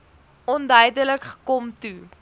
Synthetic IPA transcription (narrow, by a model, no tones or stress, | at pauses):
ɔndœɥdələkχə̥kɔmtu